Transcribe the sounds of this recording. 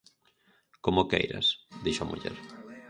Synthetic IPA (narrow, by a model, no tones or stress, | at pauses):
komokḛjɾa̰sd̪iʃoamʔṵʎɛ̰ɾ